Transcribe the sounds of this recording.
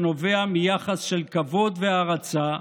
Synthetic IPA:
no̞ve̞amijaχasʃelkavo̞d̪veaʁat͡sa

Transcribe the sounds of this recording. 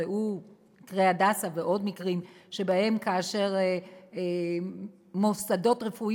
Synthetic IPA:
eʔu | mikʁejadasaveʔo̞dmikʁimʃe̞bahe̞mkaːʃe̞ʁ | mosado̞tʁefu

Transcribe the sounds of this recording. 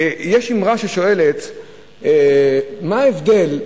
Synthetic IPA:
jeʃimʁaʃeʃo̞e̞let̪ | emaːevd̪e̞l

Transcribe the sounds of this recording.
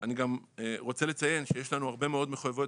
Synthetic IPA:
aniɡameʁo̞t͡sele̞t͡saje̞nʃejeʃlanuaʁbe̞meo̞d̪meχojavo̞t

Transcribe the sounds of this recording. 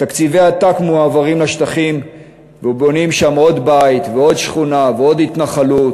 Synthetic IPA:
t̪akt͡sivejat̪akmuaːvaʁimlaʃt̪aχim | veubo̞nimʃamo̞d̪bait̪veo̞d̪ʃχunaveo̞d̪hit̪naχalut̪

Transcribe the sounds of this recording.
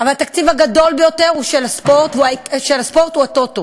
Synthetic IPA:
avalat̪akt͡sivhaɡado̞lbejo̞te̞ʁhuʃelaspo̞ʁt̪uaʃelaspo̞ʁt̪uatot̪o

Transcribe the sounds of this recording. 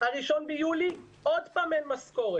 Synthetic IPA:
haʁiʃo̞nbejuli | od̪paːmenmasko̞ʁe

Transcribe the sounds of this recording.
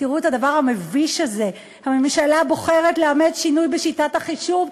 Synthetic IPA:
tiʁuethadavaʁhameviʃaze̞ | hame̞mʃalabo̞χe̞ʁetleamedʃinujbeʃitathaχiʃuv

